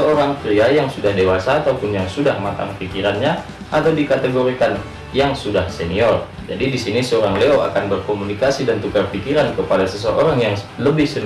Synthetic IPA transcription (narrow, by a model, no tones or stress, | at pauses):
əoɾaŋpɾiajaŋsudahdewasaːt̪awpʊnjaŋsudahmat̪a̰ŋpikiɾanɲa | ʔat̪awdikat̪eɡoɾikan | jaŋsudahseniɔr | d͡ʒa̰didisinisəoɾaŋleoa̰kanbərkomunikasidant̪ukarpikiɾankəpadasəsəʔoɾaŋjaŋ | ləbɪhsən